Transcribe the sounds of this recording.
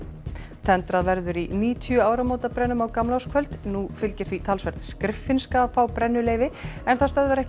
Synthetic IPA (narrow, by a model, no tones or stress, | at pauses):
t̪ʰɛnt̪ɾaðvɛɾðʏɾiniːt̪ʰjʏaːwɾamowt̪apɾɛnːʏmawkamlawskʰvœlt̪nufɪlcɪɾθit̪ʰalsvɛɾðskɾɪfːɪnskafaːwpɾɛnːʏleːjvɪɛnθast̪œðvaɾɛhc